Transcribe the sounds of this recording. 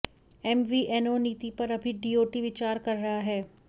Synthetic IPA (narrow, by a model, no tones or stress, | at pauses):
ɛmʋiʔɛnoːniːt̪ipɐɾɐbʱiɖiːoːʈiʋɪt͡ʃaːɾkɐɾːɐɦaɦɛː